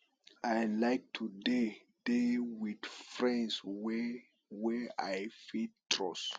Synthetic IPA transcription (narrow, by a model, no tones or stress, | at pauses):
ajlajk̚tʰude | dewid̥fɹɛ̃ndsw | wɛajfit̚tʰɹɔs